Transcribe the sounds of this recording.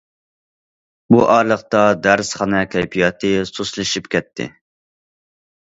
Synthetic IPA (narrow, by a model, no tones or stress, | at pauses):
buʔɑɾlˠəχt̪ɑd̪æɾsχɑnɛkʲʰɛjpʰijɑt̪ʰɨsuslˠɨʃipkʲɛt̪ʰːɪ̰